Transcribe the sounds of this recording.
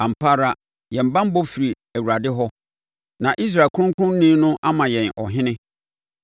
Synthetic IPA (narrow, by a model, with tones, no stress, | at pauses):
ã˨m̩˨pʰa˦ɾa˦ | jɛ̃˨m̩˨bã˦m˦bɔ˦fi˨ɾi˨ | æ˨wu˨ɾa˨dɪ˦ɦɔ˦ | nã˨ʔi˦s̬ɾaː˨kʰʊ˦ʊ̃˦ŋ˦kʰʊ˦ʊ̃˦n̩˦nĩː˦nʊ̃˦ʔa˦mã˨jɛ̃˨nʔɔ˨ɦɪ̃˦nɪ̃˦